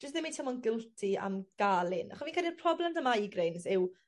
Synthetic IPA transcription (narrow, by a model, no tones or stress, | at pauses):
d͡ʒəstðɪmitʰamɔnɡɪlˠtʰia̰mɡ̥alˠɪna̰χɔsvinkʰalipʰrɔblɛmdəmaiɡrejnsɪw